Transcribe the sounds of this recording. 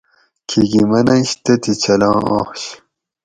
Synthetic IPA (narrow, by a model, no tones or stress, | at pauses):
kʰiɡimɐnɐɕt̪ɐt̪it͡ɕʰɐlɑ̃ːʔo̰ːχɕ